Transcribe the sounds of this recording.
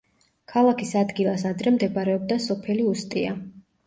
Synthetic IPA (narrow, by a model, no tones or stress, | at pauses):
kʰalˠakʰisad̪ɡilˠasad̪ɾɛmd̪ɛbɾɛɔb̚d̪asɔpʰɛliust̪ʼia̰